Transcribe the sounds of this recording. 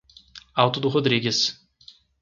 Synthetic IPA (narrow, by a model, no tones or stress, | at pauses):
awt̪ʊd̪ʊɦod̪ɾiɡʲɪs